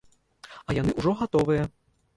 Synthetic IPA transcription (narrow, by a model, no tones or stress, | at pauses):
ɐjanɨʔuʐɔɣat̪ɔvɨjɐ